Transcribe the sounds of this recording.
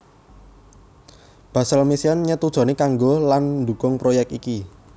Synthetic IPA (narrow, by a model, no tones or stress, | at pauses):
b̥ä̤səlmisiɔnɲət̪ud̥ʒ̥ɔ̤nekaŋɡoland̪ṳkʊŋpɾojɛk̚iki